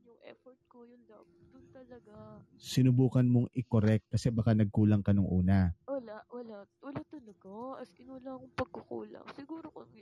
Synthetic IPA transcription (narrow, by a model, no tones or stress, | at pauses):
ʊŋʔɛ̰foɹt̪̚kojʊ | ʊt̪ɐlɐɡa | sɪnʊbuːkɐnmo̞ŋʔɪkoɾɛk̚t̪̚kɐsɛbɐkanɐɡ̚kuːlɐŋkɐnoŋʔuːnɐwɐlawɐlawɐlat̪ɐlɐɡaɐskɪnʊlaŋʊŋpɐɡ̚kokṵːlɐ̰ŋsɪɡuːɾoko